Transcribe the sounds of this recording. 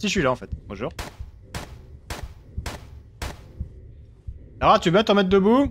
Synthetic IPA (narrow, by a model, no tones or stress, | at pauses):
siʃɥilaɑ̃fɛt̪bɔ̃ʒuːʁ | saʁat̪ybat̪ɔ̃mɛt̪̚d̪əbu